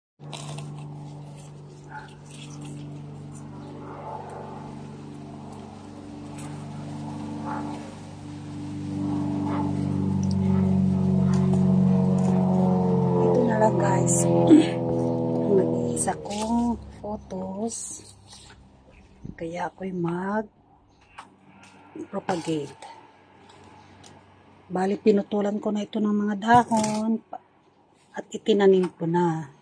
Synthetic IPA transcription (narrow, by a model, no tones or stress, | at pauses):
it̪onalaɡas | ŋnɐɡiːsakoŋfot̪os | kɐjaʔkojmaɡ̚ | pɾopaɡɛjt̪a | baːlɪpɪnʊt̪uːlankonaɪt̪onɐŋmɐŋad̪aːhon | ʔɐt̪ɪt̪ɪnanɪmpona